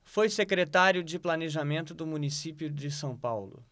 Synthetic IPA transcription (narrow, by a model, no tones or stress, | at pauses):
fojsekɾet̪aɾjʊd͡ʒɪplaneʒamẽnt̪ʊd̪ʊmũnisipjʊd͡ʒɪsɐ̃w̃pawlʊ̰